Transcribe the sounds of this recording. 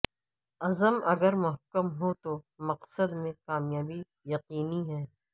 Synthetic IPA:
ɐzəmɐɡəɾmʊɦəkːəmɦot̪omɐqsəd̪mẽkaːmjaːbi | jɐqiːniɦɛː

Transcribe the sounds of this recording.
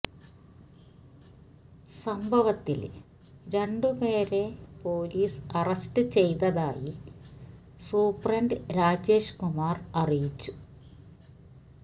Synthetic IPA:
sɐmbʱɐʋɐt̪ːḭl | ɾe̞ɳɖupeːɾe̞po̞ːliːsɐrɐstɨt͡ɕe̞jt̪ɐðaːji | suːprɐɳɖɨɾaːd͡ʑe̞ːʂkumaːrɐrijit͡ɕːu̥

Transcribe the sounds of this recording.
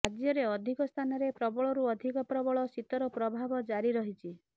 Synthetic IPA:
ad͡ʒjɔɾeɔd̪ʱikɔst̪ʰanɔɾepɾɔbɔɭɔɾuɔd̪ʱikɔpɾɔbɔɭɔsit̪ɔɾɔpɾɔbʱabɔd͡ʒaɾiɾɔɦit͡ʃʰi

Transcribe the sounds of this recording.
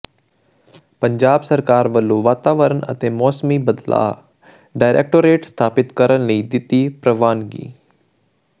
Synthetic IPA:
pəɲd͡ʒaːbsəɾkaːɾʋəlːoːʋaːt̪aːʋəɾənə̰t̪eːmɔːsmiːbəd̪la̰ː | ɖaːɪɾʔḛːk̚ʈoɾeːʈst̪ʰaːpɪt̪kəɾənləid̪ɪt̪ipɾəʋaːnɡḭː

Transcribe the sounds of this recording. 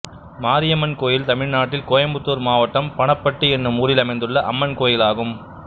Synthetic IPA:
maːɾɪjɐmɐnkoːjɪlt̪ɐmɪɻnaːʈːɪlkoːjɐmbɯt̪ːuːɾmaːʋɐʈːɐmpɐɳɐpːɐʈːɯɛnːɯmuːɾɪlɐmɐɪnd̪ɯɭːɐʔɐ̰mːɐnkoːjɪlaːɣɯm

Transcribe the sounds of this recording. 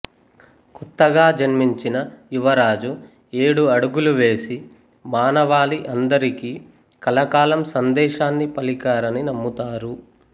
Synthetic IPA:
kut̪ːɐɡaːd͡ʒɐnmiɲt͡ʃinɐjuʋɐɾaːd͡ʒu | e̞ːɽuɐɽuɡuluʋe̞ːsi | maːnɐʋaːliʔɐnd̪ɐɾikiː | kɐlɐkaːlɐmsɐnd̪ɛːʃaːnːipɐlikaːɾɐninɐmːut̪aːɾu

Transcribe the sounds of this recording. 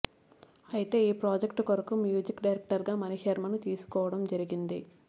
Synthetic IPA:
ɐjit̪e̞ːiːpɾaːd͡ʒekʈkoɾɐkɐmːjuːd͡ʒikɖɐjɾek̚ʈɐɾɡaːmɐnihɐɾmɐnut̪iːsu̥kɔːʋɐɽɐmd͡ʒɐɾiɡind̪i

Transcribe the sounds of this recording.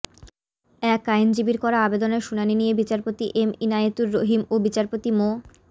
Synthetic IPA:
ɛkajnd͡ʑibiɾkɔɾaabed̪oneɾʃunaninijebit͡ɕaɾpot̪iʔeminajet̪uɾːoɦimobit͡ɕaɾpot̪imo

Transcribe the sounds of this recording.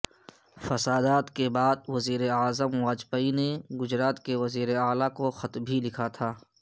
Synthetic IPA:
fɐsaːd̪aːt̪kebaːd̪̚wɐziːɾeaːzəmwaːd͡ʒpəineɡʊd͡ʒɾaːt̪keʋɐziːɾeaːlakoxɐt̪bʱilɪkʰat̪ʰaː

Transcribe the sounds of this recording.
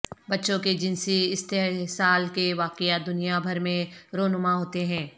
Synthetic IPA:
bɐtːʃõked͡ʒɪnsiɪst̪eɦsaːlkeʋaːkejad̪ʊnijabʱɐɾmẽɾoːnʊmaɦoːt̪eɦɛ̃ː

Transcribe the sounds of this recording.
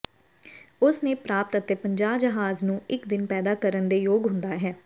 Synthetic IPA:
ʊsnẽːpɾaːpt̪ət̪eːpəɲd͡ʒaːbd͡ʒəɦaːznũːɪkd̪ɪnpɛːd̪aːkəɾənd̪eːjoːɡɦʊ̃nd̪aːɦɛː

